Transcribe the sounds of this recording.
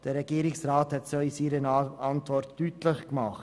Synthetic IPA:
d̥əɾɛɡiːɾɪksraːthɛtsoisiːɾənɑntvɔɾtːyːtlɪχkmɑχt

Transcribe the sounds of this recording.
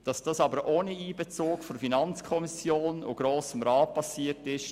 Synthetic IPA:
d̥ɑsd̥ɑsɑbəɾʔoːniiːbɛt͡soːkfofinɑnt͡skʰɔmisjoːno̰ɡ̥ɾoːsəmɾɑːt̚pʰɑsiːətɪʃ

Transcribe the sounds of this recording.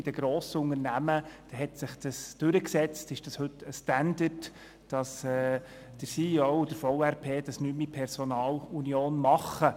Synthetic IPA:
ɪd̥əɡ̥ɾoːsəʊŋəɾnæməd̥ɛɦɛt̪sɪχd̥̪əsd̥ʏɾəksɛt͡stɪʃd̥ɑshɵt̪ːəstænd̪əd | d̥ɑsɛː | d̥əɾsiowd̥̪əɾfɔʊæɾpʰeːd̥ɑsnymipʰɛɾsɔnɑːlunioːnmɑχːə

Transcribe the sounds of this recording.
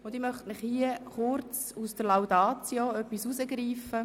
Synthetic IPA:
ʊnd̥̪imœχtnɪχhiəχʊrt͡s | usd̥əɾlawdɑːt͡sjoœpːisusəɡɾiːfə

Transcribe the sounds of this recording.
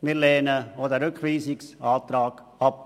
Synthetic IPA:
mɪɾlɛːnəodəɾʏkχʋiːsɪksɑːt̪ɾaːɡ̥ | ɑp̚

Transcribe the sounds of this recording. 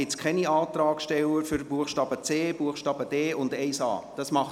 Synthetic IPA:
ɪt͡skχɛniɑːt̪ɾɑːkʃtɛləɾfʏɾbuəχʃtɑːb̥ət͡seːb̥uəχʃtɑːb̥əd̥eːʊndɛɪsɑ̰ːd̥ɑsmɑχ

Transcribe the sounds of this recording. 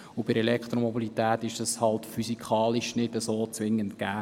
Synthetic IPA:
ʊb̥ɪɾɛlɛkχt̪ɾomɔbilit̪ɛːt̪ɪʃəshɑltfysikʰχɑːliʃnɪdəsoːt͡sʋɪŋːəntkæː

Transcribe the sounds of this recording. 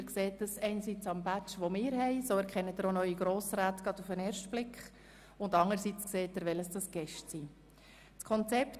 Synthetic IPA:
əɾkseːtəsɛɪnsit͡sɑmbæt͡ʃʋomɪːɾhɛɪsoːæɾkʰɛnːədəɾonœʏiɡɾoːsɾaːtɡ̥ɑdufəneːɾʃtb̥lɪkχ | ʊndɑŋəɾsit͡skseːtəɾʋɛləsd̥ɑsɡ̥ɛʃtsi | t͡skʰɔnt͡sɛpt

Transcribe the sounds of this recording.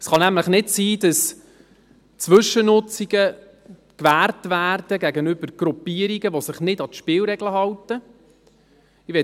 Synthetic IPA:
sχɑnæmləχnɪtsiːdɑs | t͡sʋɵʃːənʊt͡siɡə | kʋæːrtʋæːrd̥əɡæɡənʏb̥əɾɡ̥ɾupiəɾiɡəʋosɪχnɪdɑtʃpɪːwɾɛɡləɦɑwtə | ɪʋɛ

